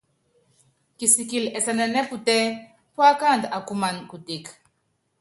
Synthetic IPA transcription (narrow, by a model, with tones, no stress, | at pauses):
ki˨si˨ki˨lɛ˨sa˨nɛ˨nɛ˦pu˨tɛ˦ | pwa˦ka˦˨nd̪a˨ku˦ma˨nku˨ti˨k